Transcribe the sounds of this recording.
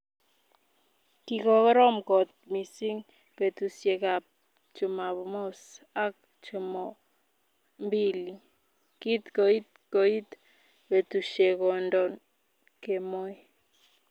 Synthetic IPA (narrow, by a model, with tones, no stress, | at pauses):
ki˨kɔ˨kɔ˦ɾɔ˦mkɔ˨t̪̚mi˨si˦ŋ | pe˨tu˨sje˨ka˨p̚ | t͡ʃu˨ma˨βɔ˨mo˦s | a˦k̚ | t͡ʃu˨mɔ˨ | mbi˦li˨ | ki˦tko˨i˦t̚kɔ˨i˦t | pe˨tu˨ʃe˨kɔ˨ndɔ˨n | ke˨mo˦j